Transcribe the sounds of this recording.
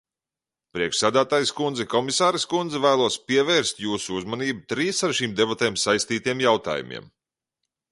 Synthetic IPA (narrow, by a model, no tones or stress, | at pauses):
pɾʲiɛkʃsæːd̪æːt̪aːjskund̪zɛkɔmisaːɾɛskund̪zɛvæːlˠuɔspʲiɛvɛːɾst̪juːsuuzmaniːbut̪ɾiːsaɾʃiːmd̪ebat̪eːmsajst̪iːt̪ijɛmjawt̪a̰ːjṵmḭɛm